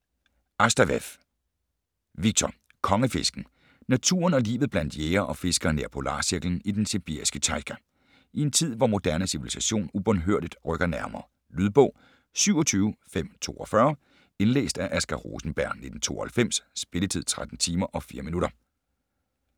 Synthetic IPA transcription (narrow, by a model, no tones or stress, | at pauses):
ʔɑsd̥æʋef | ʋiɡ̥̚t͡sʰɒ | kʰɒ̽ŋəfe̝sɡ̥n̩ | næt͡sʰṵːɐnɒ̽lḭːʋð̩ˠb̥læn̰d̥jeːɐʔɒ̽fe̝sɡ̥ɐːneɐpʰolɑ̰̈ːsiɐɡ̥ln̩id̥enseb̥ḭɐ̰isɡ̥ət͡sʰɑ̈ɪkʰæ | ie̝nt͡sʰið̞̰ˠʋɒmo̝d̥æɐnəsiʋilisæɕo̝̰ːnub̥ɒnɦøɐ̰d̥id̥ʁœɡ̥ɐnæɐmɐː | lyð̞ˠb̥ɔ̽ʊ̰ | syʊɒt͡sʰyːʊfem̰t͡sʰo̝̰ːɒ̽fɶːɐ | e̝nlḛːsd̥æʔæsɡ̥ɑʁo̰ːsn̩b̥æɐ̰nnːe̝d̥n̩t͡sʰo̝̰ːɐhælfem̰ssb̥e̝lət͡sʰið̰ˠt͡sʰʁad̥n̩t͡sʰiːmɐʔɒ̽fḭːɐminuɾɐ